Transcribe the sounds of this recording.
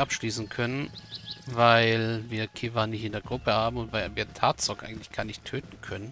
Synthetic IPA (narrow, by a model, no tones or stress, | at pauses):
ʔapʃliːsn̩kʰœnənvaɪlviːɐkʰivanɪçtɪndeːɐɡʁʊpəhaːbm̩ʊntvaɪlviːɐtʰaːtt͡sɔkʔa̰ɪɡŋ̩tlɪ̥çɡ̥aːɐnɪçtʰːøːtn̩kʰœnən